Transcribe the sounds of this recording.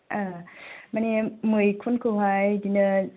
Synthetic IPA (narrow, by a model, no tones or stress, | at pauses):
ʔamanemɯjkʰunkʰuɦajdinə